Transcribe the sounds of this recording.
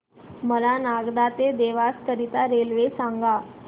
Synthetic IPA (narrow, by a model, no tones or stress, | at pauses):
məlanaɡd̪at̪ed̪eʋaskəɾit̪aɾelʋesaŋɡa